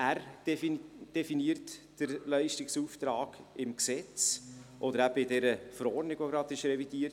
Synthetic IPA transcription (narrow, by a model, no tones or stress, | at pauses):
æːɾ̥ | d̥ɛfiniːɾtd̥əɾlɛɪʃtɪksuːft̪ɾɑːɡ̥ɪmksɛt͡sʔɔd̪əɾæb̥əɪdɛɾəfəɾɔɾdnɪɡ̥ʋoɡɾɑdɪʃɾɛvid̥iːəɾt